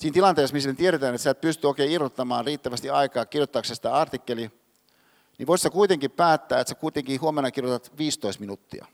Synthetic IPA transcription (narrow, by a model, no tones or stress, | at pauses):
siːnt̪ilɑnt̪eːsmislent̪ieɾet̪æːnet̪sæt̪̚pyst̪yoikeːirot̪ːɑmɑːnriːt̪ːæʋæst̪iɑikɑːkirjot̪ːɑːksesi̥t̪æɑrt̪ikːeli | niʋoissekuit̪eŋkippæːt̪ːæːet̪sekuit̪eŋkihuomenːɑkirjot̪ɑt̪ʋiːst̪oist̪minut̪ːḭɑ̰